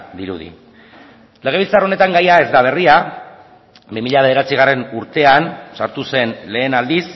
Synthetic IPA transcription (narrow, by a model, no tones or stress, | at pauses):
d̪iɾṵðḭ | le̞ɣ̞e̞βilt͡saro̞ne̞t̪aŋɡajae̞zd̪aβ̞e̞ria | bimiʎaβeðeɾat͡siɣ̞are̞nuɾt̪e̞ansaɾt̪use̞nle̞ːnald̪is